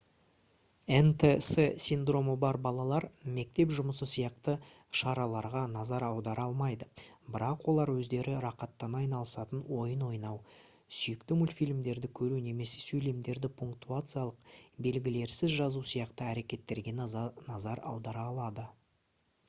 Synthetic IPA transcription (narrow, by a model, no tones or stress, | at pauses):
ent̪ʰesesind̪ro̞məbɑɾbɑlˠɑlˠɑɾme̞k̚t̪e̞pʒʊməsəsijɑqt̪ə | ʃɑɾɑlˠɑɾʁɑnɑzɑɾɑwd̪ɑɾɑlˠmɑjd̪əbɪɾɑqwo̞lˠɑɾwɵzd̪e̞ɾɪɾɑqɑt̪ːɑnɑjnɑlˠəsɑt̪ənwo̞jənwo̞jnɑw | sʏjɪkt̪ɪmulʲfijlʲmd̪e̞ɾd̪ɪkʲʰɵɾune̞me̞se̞̥sɵjle̞md̪e̞ɾd̪ɪpʰuŋk̚t̪uat̪sɨjalˠəqbe̞lɡʲɪle̞ɾsɪzʒɑzusijɑqt̪əæɾe̞kʲe̞t̪ːe̞ɾɡʲe̞nɑzɑɾɑ̰wd̪ɑɾɑlˠɑd̪ə